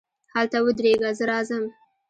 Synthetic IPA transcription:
halt̪awəd̪ɾeɡazəɾɑzəm

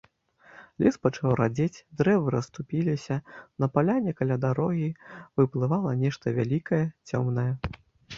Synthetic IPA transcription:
lʲɛspɐt͡ʂawɾad͡zʲet͡sʲd̪ɾɛvɨɾɐst̪upʲilʲisʲɐnɐpalʲanʲɛkalʲad̪aɾɔɣʲivɨplˠɨvalˠɐnʲɛʂt̪ɐvʲalʲikɐjɛt͡sʲɔmnɐjɛ

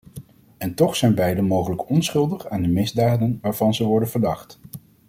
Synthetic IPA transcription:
ɛntɔχsɛjnbɛjdəmowχələkɔnsχɵlˠdəχaːndəmɪzdaːdənʋaːɹv̥ɑnzəʋɔɹdənvəɹdɑχt

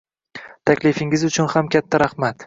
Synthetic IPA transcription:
t̪ʰakʲlɪfɪŋɪzʊt͡ʃʰʊnhamkʲʰat̪ʰːaɾahmat̪

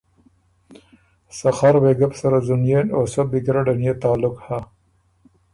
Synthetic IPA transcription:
saxaɾweɡapsaɾazunjenosobikɾaɖanjet̪ɑːlʊkha

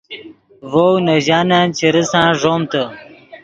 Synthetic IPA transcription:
vownɐʑaːnaːnt͡ɕʰiɾisãːʐoːmt̪ə

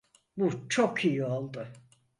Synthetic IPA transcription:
but͡ʃʰokʰijio̞lˠd̪ʊ

